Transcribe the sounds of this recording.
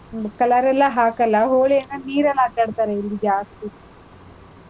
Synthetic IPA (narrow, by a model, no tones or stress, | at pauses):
kɐlɐɾɛlːɐɦaːkɐlːɐɦoːɭijɐnːɐniːɾɐlːɐʈːɐɽt̪aɾeilːid͡ʒaːst̪i